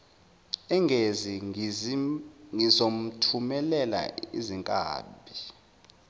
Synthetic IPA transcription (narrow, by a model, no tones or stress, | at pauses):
ɛŋɡʱezi | ŋizom̩tʰumɛlɛla̰iziŋkʼa̰ːɓʱi